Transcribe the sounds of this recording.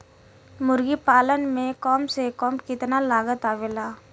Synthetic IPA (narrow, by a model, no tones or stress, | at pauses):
mʊɾɡipaːlənmẽkɔːmsekɔːmkɪt̪nalaːɡət̪aːʋelaː